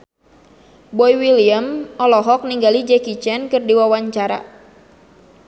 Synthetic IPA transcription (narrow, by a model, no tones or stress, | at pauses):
bɔjwiliəmʔɔlɔɦɔk̚niŋɡalid͡ʒɛkit͡ʃɛnkɨrdiwawaɲt͡ʃaɾa̰